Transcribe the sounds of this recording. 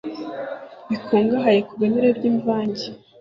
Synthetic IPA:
βikʰoːŋɡaɦajekuβeneɾebɟiːɱvaːɲɟe

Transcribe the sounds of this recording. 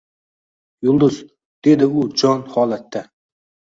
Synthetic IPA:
jʊlˠd̪ʊz | d̪̥e̞d̪ɪʊd͡ʒɒnhɒlˠat̪ːa

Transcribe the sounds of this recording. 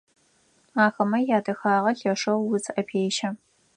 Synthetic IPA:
aːxɐmɐjaːdɐxaːʁɐɬɐʂɐwːʊzʼʔɐpʰeːʃɐ

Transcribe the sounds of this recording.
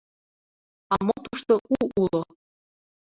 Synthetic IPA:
ɑmot̪uʃt̪oʔuʔulo

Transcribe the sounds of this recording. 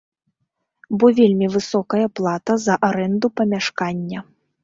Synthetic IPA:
bɔvʲelʲmʲivɨsɔkɐjɐplˠat̪ɐzɐʔaɾɛnd̪upɐmʲaʂkanʲːɐ

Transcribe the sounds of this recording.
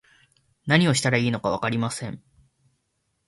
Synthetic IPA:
naɲ̟io̞ɕi̥t̪aɾaiːno̞kaβ̞a̰kaɾʲimasẽ̞ɴ

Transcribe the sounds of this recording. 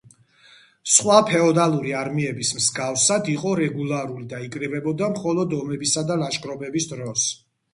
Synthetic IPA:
sχwapʰɛɔd̪alˠuɾiaɾmiɛbismsɡafsad̪iqʼɔɾɛɡulˠaɾulid̪aikʼɾɛbɛbɔd̪amχɔlˠɔd̪ɔmɛbisad̪alaʃɡɾɔbɛbisd̪ɾɔs

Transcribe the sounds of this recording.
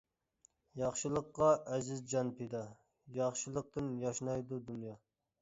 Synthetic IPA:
jɑχʃɨlˠəqːɑɛzɪzd͡ʒɑnpʰed̪ɑ | jɑχʃɨlˠəq̚t̪ɨnjɑʃnɑjd̪ud̪unjɑ

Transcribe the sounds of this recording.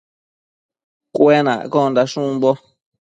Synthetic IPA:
kwenã̰kɔ̃nd̪aʃũmbɔ

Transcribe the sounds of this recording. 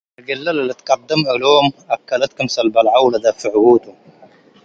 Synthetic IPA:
lɡɪlːalalɪt̪qɑd̪ːɪmʔaloːmʔakːalat̪̚kʊmsalbalʕawlad̪afiʕɡuːt̪u

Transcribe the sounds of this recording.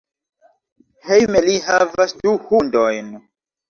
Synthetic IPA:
hejmelihavasduhundojn

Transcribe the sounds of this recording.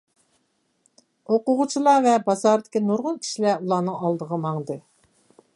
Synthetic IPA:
oqʊʁʊt͡ʃʰilˠɑvɛbɑzɑɾd̪ɪkʲinuɾʁʊlˠkʲʰi̥ʃilɛulˠɑːnɨŋɑlˠd̪əʁɑmɑŋd̪ɨ

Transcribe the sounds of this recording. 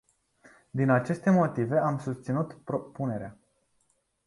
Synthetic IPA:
d̪inat͡ʃe̞st̪e̞mo̞t̪ive̞amsust̪sinut̪pɾopune̞ɾea

